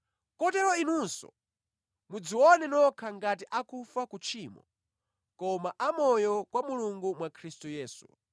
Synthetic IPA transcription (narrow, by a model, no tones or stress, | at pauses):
kɔtɛɾɔinunsɔ̰ | mud͡ziwɔnɛnɔkʰaŋɡat̬iʔakufakut͡ʃʰiːmɔ̰ | kɔmaʔamɔjɔkwamuluŋɡumwakʰɾistujɛːsṵ